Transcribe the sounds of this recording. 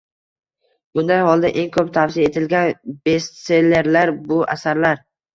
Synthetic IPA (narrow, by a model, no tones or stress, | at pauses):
bʊnd̪ajhɒlˠd̪aʔe̞ŋkʰɵpt̪ʰafsijae̞t̪ʰɪlɡʲanb̥e̞st̪se̞lːe̞ɾlaɾbʊa̰saɾlaɾ